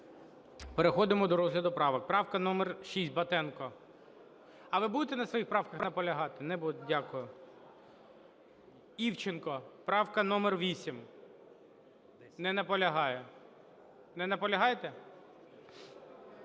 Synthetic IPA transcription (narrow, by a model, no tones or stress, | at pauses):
peɾexɔd̪ɪmɔd̪ɔɾɔzɦlʲɐd̪ʊpɾɑʋɐk̚pɾɑwkɐnɔmɛrʃisʲt̚ʲbɐt̪ɛnkɔ | ɐʋɪbud̪et̪ɛnɐsʋɔjixpɾɑwkɐxnɐpɔlʲɐɦɑt̪ɪnɛbudʲakʊjʊ | iwt͡ʃenkɔpɾɑwkɐnɔmerʋʲisʲim | nɛnɐpɔlʲɐɦɑjɛ | nɛnɐpɔlʲɐɦɑjet̪ɛ